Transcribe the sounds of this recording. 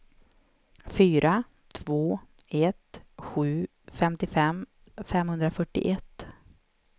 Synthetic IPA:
fyːɾʔa | t̪ʰvoː | ɛt̪ɧʉ̟ː | fɛmt̪ɪfɛm | fɛmhɵnd̪ɾafœʈːɪ̰ʔɛt̪ː

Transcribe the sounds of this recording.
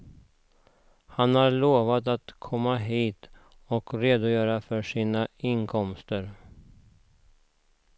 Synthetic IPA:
hanhaɾɭoːvat̪at̪kʰɔmːaɦiːt̪ | ɔkɾeːd̪ʊjœːɾafœʂiːnaɪnkʰɔmst̪əɾ

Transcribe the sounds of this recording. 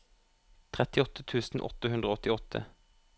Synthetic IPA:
t̪ʰʁɛt̪ɪɔt̪ət̪ʰʉːsn̩ʔɔ̰t̪əhʉnd̪ʁəoɔt̪ɪɔt̪ʰə̰

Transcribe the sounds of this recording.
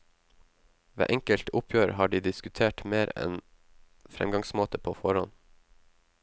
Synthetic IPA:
ʋḛːʔɛŋkəlt̪ʊpʰjøːɾhɑːɖiːd̪ɪskʉt̪ʰeːʈmeːɾɛ̰n | fɾɛ̰mɡɑŋsmoːt̪əpʰoːfɔɾɔn

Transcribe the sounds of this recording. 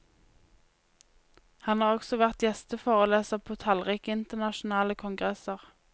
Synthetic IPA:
hɑnhɑːʁɔɡ̥sɔʋæʁt̪jɛst̪əfoːʁəleːsəʁpʰoːt̪ʰɑlʁiːkəɪnt̪əʁnɑʃʊnɑːləkʰʊŋɡʁɛsəʁ

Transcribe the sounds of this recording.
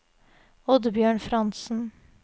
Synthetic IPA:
ɔd̪bjøːɳfɾɑnsn̩

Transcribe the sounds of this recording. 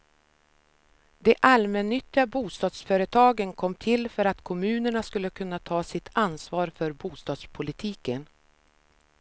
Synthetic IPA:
d̪ɛʔalmɛnːʏt̪ːɪɡabuːst̪ɑːd̪sfœːɾət̪ʰɑːɡənkʰɔmːt̪ʰɪlfœɾat̪kʰɔmʉ̟ːnəɳaskɵlːəkʰɵnːat̪ʰɑːsɪt̪ʰansvɑːɾfœɾbuːst̪ɑːd̪spʰʊlɪt̪ʰiːkən

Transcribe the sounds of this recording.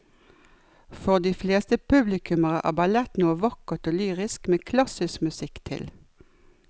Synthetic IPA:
fɔʁd̪iːfleːst̪əpʰʉblɪkʰʉməʁəʔæ̰ːbɑlɛt̪nuːəʋɑkət̪oːlyːʁɪskmeːkʰlɑsɪskmʉsɪkt̪ʰɪ̰l

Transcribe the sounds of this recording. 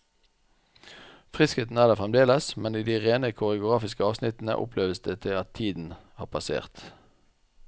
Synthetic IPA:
fʁɪskheːt̪n̩æːʁd̪eːfʁɛmd̪eːləsmɛniːd̪iːʁeːnəkʰʊʁəʊɡʁɑːfɪskəɑːʋsnɪt̪n̩ə̰ʔʊ̰pʰleːʋəsd̪eːt̪ʰɪːlɑt̪ʰiːd̪n̩hɑ̰ːʁpʰɑsḛːʁt̪

